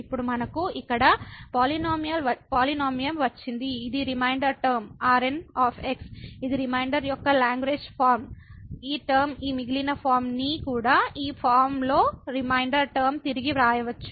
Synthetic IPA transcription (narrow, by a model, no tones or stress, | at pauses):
ipːuɽumɐnɐkuikːɐɽɐpaːlinoːmijɐlʋɐpaːlinoːmijɐmʋɐt͡ʃːind̪iːd̪iɾimɐjɳɖɐɾʈɐɾmaːɾenaːpʰeksid̪iɾimɐjɳɖɐɾjɔkːɐlaːŋɡʋeːd͡ʒpʰaːɾmiːʈɐɾmiːmiɡilinɐpʰaːɾmnikuːɽaːiːpʰaːɾmlo̞ːɾimɐjɳɖɐɾʈɐɾmt̪iɾiɡiɾaːjɐʋɐt͡ʃːu̥